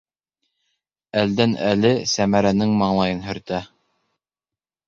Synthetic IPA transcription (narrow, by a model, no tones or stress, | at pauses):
æld̪ænælɘsæmæɾænɘŋmɑɴlˠɑjɤnɦɵ̆ɾt̪æ